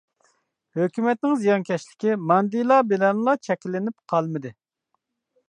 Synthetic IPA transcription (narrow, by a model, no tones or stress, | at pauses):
høkʲymɛt̪̚nɪŋzijɑnkʲʰɛʃlɪ̥kʲimɑnd̪ijlˠɑbelɛnlˠɑt͡ʃʰɛkʲlːɪnɪpqʰɑlˠmɪd̪ɪ